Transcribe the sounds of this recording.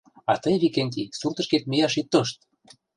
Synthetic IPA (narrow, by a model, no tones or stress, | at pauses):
ɑt̪əjβikenʲt̪isurt̪ɤ̆ʃket̪̚mijɑʃit̪ːoʃt̪̚